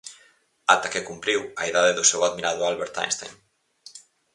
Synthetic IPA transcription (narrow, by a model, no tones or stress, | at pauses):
at̪akekumpɾiwɐiðaðeðʊsewaðmiɾaðʊalβeɾt̪a̰jnst̪a̰jŋ